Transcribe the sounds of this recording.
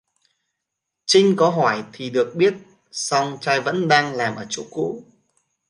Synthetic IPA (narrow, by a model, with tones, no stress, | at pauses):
t͡ɕï˧ŋ̟kɔ˨˦ɦɔ˧˩jt̪ʰi˨˩ɗɨ˨˩ək̚ɓi˦˥ət̚ | sɔ˧wŋ͡mt͡ɕaː˧jvə̰˧˥nɗaː˧ŋlaː˨˩mʔəː˧˩t͡ɕṵ˧˥kṵ˧˥